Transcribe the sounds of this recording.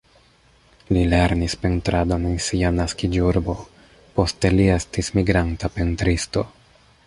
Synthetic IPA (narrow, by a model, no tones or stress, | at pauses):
lile̞ɾnispentɾado̞nensianaskid͡ʒuɾbo̞ | po̞ste̞lie̞stismiɡɾantapentɾisto̞